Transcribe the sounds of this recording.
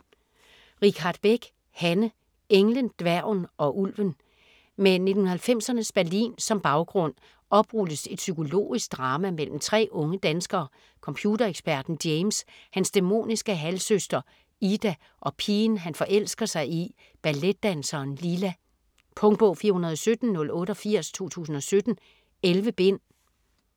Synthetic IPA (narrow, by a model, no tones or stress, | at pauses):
ʁikʰɑ̈d̥̚b̥eɡ̥ | hænə | eŋlənd̥ʋæɐʊnɒ̽ʔulʋən | mene̝d̥n̩hun̩ɐhælfem̰sɐnəsb̥æɐlḭːnsɒ̽mb̥ɑ̈ʊɡ̥ʁɔ̽n̰ | ɒ̽b̥ʁud̥əse̝d̥sykʰo̝lo̝̰ːisɡ̥̚d̥ʁɑ̈ːmæmel̰m̩t͡sʰʁɛ̰ːɔ̽ŋəd̥ænsɡ̥ɐː | kʰɒ̽mpʰjuːd̥ɐeɡ̥sb̥æɐd̥n̩d̥eɪmshænsd̥emo̝̰ːnisɡ̥əɦælsøsd̥ɐ | id̥æ | ʔɒ̽pʰiːnɦænfɒ̽ʔel̰sɡ̥ɐsɑ̈ɪi | b̥æled̥ːænsɐːnlilæ | pʰɔ̽ŋ̥̚b̥ɔʊfiːɐhunɐð̞ˠɒ̽sød̥n̩ːɔ̽lɔ̽ːɾ̥əɒ̽fiɐ̰st͡sʰo̝̰ːt͡sʰṵːsn̩ɒ̽sød̥n̩ | elʋəb̥e̝n̰